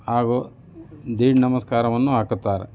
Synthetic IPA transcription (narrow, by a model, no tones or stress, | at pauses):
aːɡo | d̪iːɽnɐmɐskaːɾɐʋɐnːuɦaːkut̪ːaːɾḛ